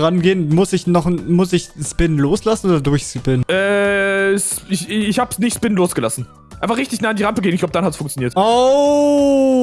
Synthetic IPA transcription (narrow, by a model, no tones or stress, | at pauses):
ʁanɡeːənmʊsɪçnɔχmʊsɪçspɪnloːslasn̩oːdɐdʊɐɪçspɪnʔɛː | sɪçɪçhaːbsnɪçtspɪnnloːsɡ̥əlasn̩ | ʔaɪnfaχʁɪçtɪçnaːandiːʁampəɡeːnɪçɡ̥abəd̥anhatsfʊŋkt͡sjoniːɐto